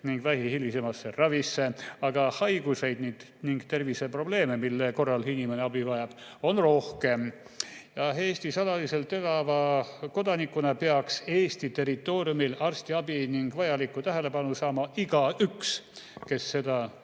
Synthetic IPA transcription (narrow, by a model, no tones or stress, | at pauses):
niŋɡ̥væɦihilise̞mɑsːerɑvisːe̞ɑɡ̥ɑhɑjɡ̥use̞jd̪niːd̪̥ | niŋɡt̪e̞rvise̞pro̞ble̞ːme̞milːe̞ko̞rːɑlhinimeneɑbivɑjɑb̥o̞nro̞hke̞m | jɑɦe̞ːst̪isɑlɑlise̞lt̪ːelɑvɑko̞d̪ɑnikːˑunɑpe̞ɑkseːst̪it̪e̞rit̪ːˑo̞ːrijumilɑrst̪iɑb̥iniŋɡvɑjɑlikːˑut̪æɦele̞pɑnusɑːmɑʔiɡ̥ɑykske̞sːe̞d̪ɑ